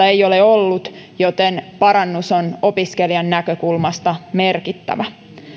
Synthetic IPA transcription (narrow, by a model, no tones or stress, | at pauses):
ɑejo̞leolːut̪jo̞t̪enpɑɾɑnːusono̞piskeliɑnːækøkulmɑst̪ɑme̞rkit̪ːæ̰ʋæ